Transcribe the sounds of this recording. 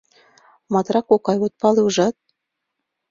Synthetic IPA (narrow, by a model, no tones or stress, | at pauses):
mɑt̪ɾɑkokɑjot̪̚pɑleuʒɑt̪̚